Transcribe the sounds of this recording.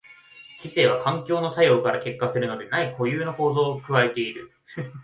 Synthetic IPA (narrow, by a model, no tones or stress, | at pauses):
t͡ɕise̞ːβ̞akãŋkʲo̞ːno̞sajo̞ːkaɾake̞kːasɨɾɯ̟no̞d̪e̞naiko̞jɯːno̞ko̞ːzo̞ːkɯ̟βae̞t̪e̞iɾɯ̟